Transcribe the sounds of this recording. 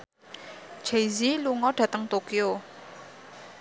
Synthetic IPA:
d͡ʒejziluŋɔɖ̥ä̤t̪əŋt̪okio

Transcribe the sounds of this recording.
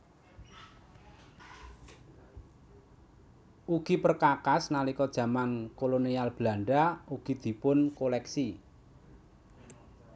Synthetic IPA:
ʔuɡ̥i̤pərkakasnalikɔd̥ʒ̥ä̤mankolonialb̥la̤ɳɖauɡ̥i̤d̪̥i̤pʊnkolɛksi

